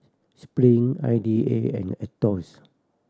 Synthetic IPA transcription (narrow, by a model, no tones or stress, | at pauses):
spɹĩŋa̰jdiḛɛ̰̃nɛtɔs